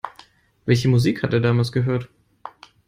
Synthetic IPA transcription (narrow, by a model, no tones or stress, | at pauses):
vɛlçəmuziːkhatʔeːɐdaːmaːlsɡ̥əɦøːɐt